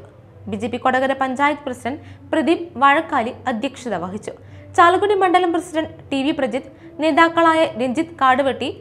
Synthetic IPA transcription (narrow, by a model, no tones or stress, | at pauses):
bid͡ʑeːpːikoɽɐɣɐɾepɐɲd͡ʑaːjɐt̪ɨprɐsidɐnprɐd̪imʋɐɻɐkːaːliɐd̪ʱjɐkʂiðɐʋɐɦit͡ɕːu | t͡ɕaːlɣuɽimɐɳɖɐlɐmprɐsiɾɐɳɖʈiʋiprɐd͡ʑit̪ | ne̞ːðaːkːɐɭaːjɐɾeɲd͡ʑit̪kaːɽɨʋɐʈːi